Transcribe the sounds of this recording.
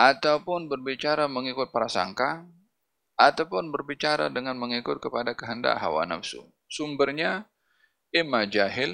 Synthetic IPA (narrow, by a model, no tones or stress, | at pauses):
ʔat̪aupʊnbərbit͡ʃaɾaməŋikʊt̪̚pəɾasa̰ŋka | at̪awpʊnbərbit͡ʃaɾa̰dəŋanməŋikʊt̪̚kəpadakəɦənda̰ʔɦa̰wa̰na̰fsṵ | sumbərɲa | ɪmad͡ʒaɦɪl